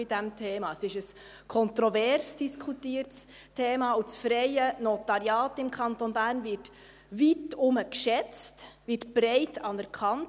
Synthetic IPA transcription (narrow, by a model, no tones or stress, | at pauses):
ɪdɛmtʰeːmɑəsɪʃəs | kʰɔntɾɔvɛɾsd̥iskʰutiːəɾts | tʰeːmɑusfɾɛɪənɔtɑɾjɑːtɪmkʰɑntonbæːɾnvɪɾt | vitʊməkʃɛt͡stʋɪtb̥ɾɛɪtʰɑnɛɾkʰɑnt